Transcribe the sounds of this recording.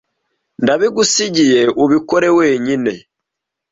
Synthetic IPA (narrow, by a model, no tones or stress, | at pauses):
ndaβiɡusiɟije̞ʔuβikoɾe̞we̞ːɲine̞